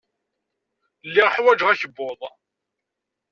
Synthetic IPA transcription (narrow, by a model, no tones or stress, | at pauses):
lːiʁəħwæd͡ʒʁæçəbːʊðˤ